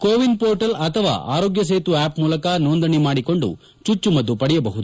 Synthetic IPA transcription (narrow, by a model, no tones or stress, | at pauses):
koːʋinpoːɾʈɐlɐt̪ʰɐʋa̰ːʔa̰ːɾoːɡjɐs̬eːt̪uaːpmuːlɐkanoːnd̪ɐɳimaːɽiko̞ɳɖṵ | t͡ʃut͡ʃːumɐd̪ːupɐɽɛjɐbɐɦud̪u